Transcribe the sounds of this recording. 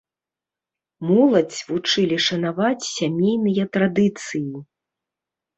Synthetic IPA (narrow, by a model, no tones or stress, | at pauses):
mɔlˠɐt͡sʲvut͡ʂɨlʲiʂɐnavat͡sʲsʲamʲejnɨjɐt̪ɾad̪ɨt̪sɨji